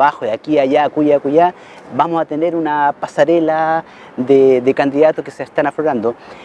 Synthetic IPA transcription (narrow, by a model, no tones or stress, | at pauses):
βaxoðakiaʝakuʝakuʝa | bamosat̪ene̞ɾunapasaɾela | d̪ed̪ekand̪iðat̪okeseest̪anafloɾand̪o